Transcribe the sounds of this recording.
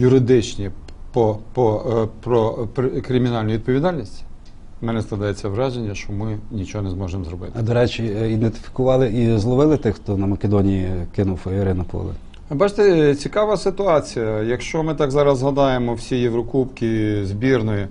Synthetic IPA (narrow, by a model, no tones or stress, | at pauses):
jʊɾɪd̪ɪt͡ʃnʲi | pɔpɔpɾɔpɾkɾʲɪmʲinɑlʲnjʋid̪̚pɔʋʲid̪ɑlʲnʲisʲtʲ | mɛnɛsklˠɐd̪jɛt͡sʲːɐʋɾɑʒenʲːɐʃt͡ʃɔmɪnʲit͡ʃɔɦɔnɛzmɔʒemɔzɾɔbɪ̰t̪ɐd̪ɔɾɛt͡ʃʲiid̪ent̪ɪ̥fʲi̥kʊʋɑlˠɪʔizlˠɔʋɪlˠɪt̪ɪxt̪ɔnɐmɐkʲed̪ɔnʲijikɪnʊwfɐɪɾɪnʊpɔ̰lˠɪ̰ | bɑt͡ʃɪ̥t̪et͡sʲikɑʋɐsɪt̪ʊɑt͡sʲijɐjɐkʃt͡ʃɔmɪt̪ɑɡzɑɾɐzɦɐd̪ɑjemɔwsʲijeʋɾɔkupkʲɪzʲbʲirnɔji